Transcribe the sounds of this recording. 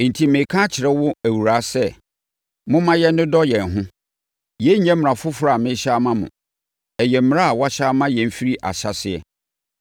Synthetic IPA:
n̩˨tʰi˨mɪ̃˨kʰã˦t͡ɕʰɪ˨ɾɛ˦wʊ˦æ˨wu˨ɾa˨˦sɛ˦˨ | mʊ̃˦mã˦jɛ˦nː˦ʊ̃˦dɔ˦jɛ̃˨n˨ɦʊ̃˦ | jɛ˦ɲ̩˦ɛ̃˦m˨ã˨fʊ˦fʊ˦ɾa˦˨mɪ̃˦ɕa˦mã˦mʊ̰̃˨ | ɛ˨jɛ˨m̩˦m˦a˦a˨wa˦ɕa˦mã˦jɛ̃˨m̩˦˨fi˦ɾi˦ʔa̰˨ɕa˨sɪ˨ɛ̰˨

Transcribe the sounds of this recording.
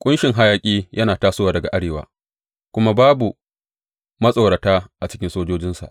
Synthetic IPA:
kʷʼʊ˦nʃɪ˨ŋɦa˦jaː˦kʲʼiː˦jʔɐ˦naː˨taː˦sʊ˦waː˨dɐ˨ɡa̰˨ʔa˦ɽeː˨wa̰ː˨ | kʷʊ˦ma˦baː˦bu˨ | mɐ˦sʼa˨wɽa˨taː˦ʔa˨t͡ʃɪ̥˦kʲɪ˦nsoː˦d͡ʒoː˦d͡ʒɪ˦nsa̰˨ʔ

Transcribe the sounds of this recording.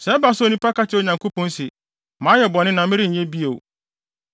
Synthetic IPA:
sɛ˨˦ba˦˨sʊ˦o˨nĩ˦pa˦ka˦t͡ɕʰɪ˦o˨ɲã˨ŋko˦pʰɔ̃˦n˦sɪ˨ | mãː˨˦jɛ˨bɔ˨nɪ̃˦nã˨˦mɪ̃˦ɾɪ˦˨ɲ̩˨ɲɛ̃˦bi˦e˨

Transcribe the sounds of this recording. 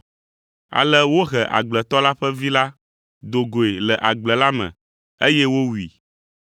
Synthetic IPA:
a̰˨lɛ˦wo˦ɣɛ˨ʔa̰˨ɡ͡blɛ˨t̪ɔ˦la˦ɸɛ˦vi˦la˦ | d̪o˨ɡo˨e˨lɛ˨ʔa˨ɡ͡blɛ˨la˦mɛ̰̃˨ | e˦jɛ˦wo˦wi˨

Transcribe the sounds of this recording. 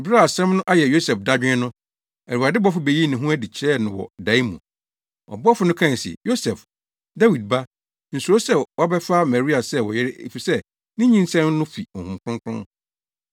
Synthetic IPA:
bɾa˦˨a˨sɛ̃˦mnʊ̃˦ʔa˦jɛ˨jo˦sɛ˨fda˦d͡ʑᶣɪ̃˦nʊ̃˦ | ɛ˨ɾu˨a˨dɪ˦bɔ˦fʊ˨be˨ji˦nɪ̃˨ɦũ˦æ˦di˨t͡ɕʰɪ˦ɾɛ˦nʊ̃˨wɔ̰˨da˨i˦mṵ̃˨ | ɔ̰˨bɔ˦fʊ˨˦nʊ̃˦kʰã˦˨n˨sḭ˨jo˦sɛ˨f | da˦wi˨d̚ba˦ | n̩˨su˨ɾo˦sɛ˦wɔ˦bɛ˦fa˦mɛ˨ɾi˦a˨sɛ˦wɔ˨jɛ˦ɾɪ˦ḛ˨fi˨sɛ˦ | nɪ̃˦ɲĩ˦n˦sɛ̃˦m˦nʊ̃˦fi˨ɔ˨hũ˨mkʰʊ̃˦ŋkʰʊ̰̃˦n

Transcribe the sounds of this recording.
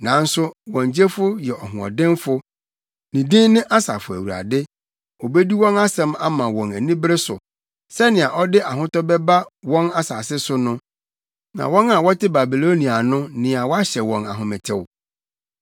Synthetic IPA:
nã˨˦n̩˦sʊ˦wɔ̃˨ɲ˨d͡ʑe˦fʊ˦jɛ˨ɔ˨ɦʊ̃˨ɔ̰˨dɪ̃˦mfʊ˦ | nĩ˨dĩ˦nɪ̃˦ʔa˦sa̰ː˨fʊ˨æ̰˨wu˨ɾa̰˨dɪ˦ | o˨be˦di˦wɔ̃˦na˦sɛ̃˨˦ma˦mã˨wɔ̃˨næ˨nĩ˦bɾɪ˦sʊ˨ | sɛ˦nɪ̃˨a˨ʔɔ˦dɪ˦ʔa˨ɦʊ̃˦tɔ˦bɛ˦ba˦wɔ̃˦na˦saː˨sɪ˦sʊ˦nʊ̃˦ | nã̰˨wɔ̃˦na˨wɔ˦tʰɪ˦ba˨bi˨lo˦nĩ˨a˨nʊ̃˦nɪ̃˨a˨wɔ˦a˦ɕɛ˨wɔ̃˨na˨ɦʊ̃˨mɪ̃˨tʰɪ˨w

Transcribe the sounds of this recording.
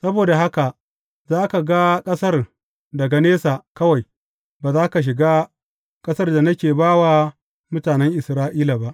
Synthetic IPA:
sɐ˦boː˨da˨ɦa˦ka˨ | zaː˦ka˨ɡa˦kʼɐ˦sɐ˦r | dɐ˨ɡa˨neː˦sa˨kɐ˦wa˨j | baː˨zaː˦ka˨ʃ̬ɪ˨ɡaː˦ | kʼɐ˦sɐ˦rda˨nɐ˦kʲeː˨baː˦waː˦ | mʊ˦taː˨nɛ˦ŋʔɪ˨sɾaː˦ʔiː˦la˨ba˦ʔ

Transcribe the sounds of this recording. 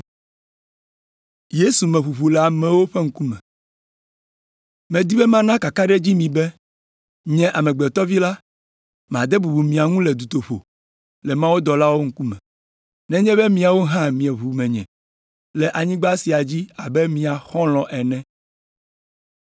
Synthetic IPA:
je˦su˨mɛ̃˨ɸu˨ɸu˨lɛ˨a˨mɛ̃˨wo˦ɸɛ˦ŋ̩˦ku˦mɛ̰̃˨ | mɛ̃˨d̪i˦bɛ˦mã˦nã˦ka˨ka˦ɖɛ˦d͡ʑi˦mĩ˨bɛ˦ | ɲɛ̃˦ʔa˨mɛ̃˨ɡ͡bɛ˨t̪ɔ˦vi˦la˦ | m˨ã˨d̪ɛ˦bu˨bu˨mĩ˨a˨ŋũ˦lɛ˨d̪u˨t̪o˨ɸo̰˨ | lɛ˨mã˦wo˦d̪ɔ˨la˦wo˦ŋ̩˦ku˦mɛ̰̃˨ | nɛ̃˦ɲɛ̃˦bɛ˦mĩ˨a˨wo˦ɦã˦mĩ˨ɛ˨βu˨mɛ̃˨ɲɛ̰̃˨ | lɛ˨ʔa˨ɲĩ˦ɡ͡ba˦si˨a˨d͡ʑi˦a˨bɛ˦mĩ˨a˨xɔ̃˦lɔ̃˨ʔɛ˨nɛ̃˦

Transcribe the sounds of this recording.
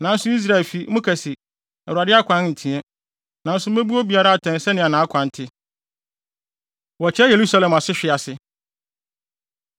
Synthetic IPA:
nã˨n̩˦sʊ˦i˦s̬ɾa˦ɛ˨lfi˨˦mʊ̃˦kʰæ˨si˨ | ɛ˨u˨a˨dɪ˦a˦kʷʰã˦nn̩˨tʰĩ˨˦ɛ˦ | nã˨n̩˦sʊ˦me˦bu˦ɔ˦bi˨a˦ɾa˦a˨tʰɛ̃˨nsɛ˦nɪ̃˨a˨nãː˨˦kʷʰã˨n˨tʰɪ˦ | wɔ˨t͡ɕʰɪ˦ɛ˦je˨ɾu˦sa˦lɛ̃˨ma˨sɪ˦ɕᶣɪ˨a˨sɪ˨

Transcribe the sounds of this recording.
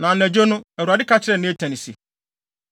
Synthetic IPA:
nã˨ɛ˨d͡ʑo˦nʊ̃˦æ˨u˨a˨dɪ˦kʰa˦t͡ɕʰɪ˦ɾɛ˦˨nɪ̃˦e˦tʰɛ̃˨nɪ˨sḭ˨

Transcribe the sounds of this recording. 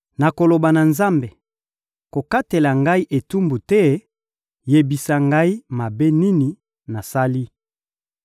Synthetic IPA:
na˨ko˨lo˨ba˨na˨nza˦mbe˨ | ko˨ka˦te˨la˨ŋɡa˦i˦ʔe˨tu˦mbu˨tɛ˦ | je˨bi˨sa˨ŋɡa˦i˦ma˨be˦ni˦ni˨ | na˨sa˦li˦

